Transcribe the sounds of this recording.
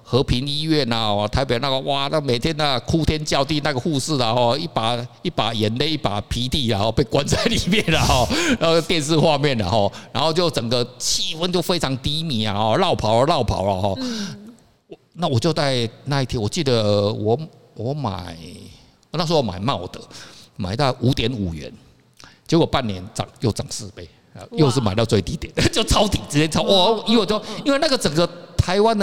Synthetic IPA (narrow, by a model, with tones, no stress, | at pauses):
xɤ˧˥pʰi˧˥ŋi˥ɥɛ˥˩na˨ɔ˨˩t̪ʰa˧˥ɪpe˨˩˦na˥˩ɡə˧wa˥˩na˥˩me˨˩ɪt̪ʰjɛ˥na˥˩kʰu˥t̪ʰjɛ˥nt͡ɕjɑ˥˧ʊt̪i˥˧na˥˩ɡə˩xu˥˧sɹ̩˥˩a˨xɔ˥˧i˥˩pa˨˩i˥˩pa˨˩jɛ˨˧˥nle˥˧ɪi˥˩pa̰˨˩pʰi˧˥t̪i˥˩la̰˨˩xɔ˥˧pe˥˩ɪkwa˦nt͡sa˥˩ɪli˨˩mjɛ˥˩nlə˨˩xɔ˥˩ɻa˧˥˧t̪jɛ˥˧nsɹ̩˥˧xwa˥˧mjɛ˥˨˩nla̰˨˩xɔ˥˩ɻa˧˥nxo˥˧ʊt͡ɕjo˥˩ʊt͡sə˨˩ŋɡə˦t͡ɕʰi˥˩fə˧˦nt͡ɕjo˥ʊfe˥ɪʈ͡ʂʰɑ˧˥ŋt̪i˧˥mi˨˩˦a̰˨xɔ˥˩lɑ˥˩ʊpʰɑ˨˥˦ʊə˧˦lɑ˥˩ʊpʰɑ̰˨˥˦ʊla̰˧xɔ˥˩ | wna˥˩wɔ˨˩t͡ɕjo˥˧ʊt͡sa˥˧ɪna˥˧i˥˩t̪ʰjɛ˥wɔ˨˩t͡ɕi˥˩d̪ə˩wɔ˨˦ | wɔ˧˦ma̰˨˩ɪ˨˦ | na˥˩ʂ̬ɔ˥wɔ˧˦ma̰˨˩ɪma˥˩ʊd̪̥ə˩˦ma̰˨˩ɪt̪ɑ˥˩ʊʔu˧˥t̪jɛ˧˦nu˨˩ɥɛ̰˨˧˦n | t͡ɕjo˧˥jo˨˩ʊpa˥˩nːjɛ˧˦nt͡sɑ̰˨˩ŋjo˥˩ʊt͡sɑ˨˩˦ŋsɹ̩˥˧pe˥˩ɪ | a̰˧jo˥˧ʊʂɻ̩˥˩ma˨˩ɪt̪ɑ˥˧ʊt͡swe˥˩ɪt̪i˧˥t̪jɛ˨˩˦nə˨t͡ɕjo˥˩ʊt͡sʰɑ˥ʊt̪i˨˩t͡s̩˥t̪jɛ˥nt͡sʰɑ˥ʊʔɔ˥˩˥i˥nwt͡ɕjo˥˨ʊi˥nwe˥˧ɪna˥˩ɡə˨t͡sə˨˩ŋɡə˨˦t̪ʰa˧˥ɪwa˦nd̪ə˨